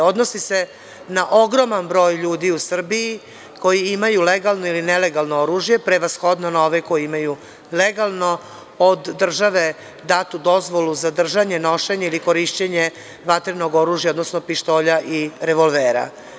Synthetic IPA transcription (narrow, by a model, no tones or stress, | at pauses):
o̞d̪nosise̞ | naʔo̞ɡɾo̞manbɾo̞ːjʎuːd̪iusr̩bii | ko̞jiimajuleɡalˠno̞ilinele̞ɡalˠnooɾuːʒje̞pɾe̞ʋasxo̞d̪nonaoʋeko̞jiimaju | le̞ɡalˠno̞ | od̪ːr̩ʒaʋe̞ | d̪at̪ud̪o̞zʋo̞luzad̪r̩ʒaɲe̞no̞ʃeɲeiliko̞ɾiʃt͡ɕeɲe | ʋat̪ɾino̞ɡo̞ɾuːʒjaod̪nosnopiʃt̪o̞ːʎaʔiɾe̞ʋo̞lˠʋeːɾa̰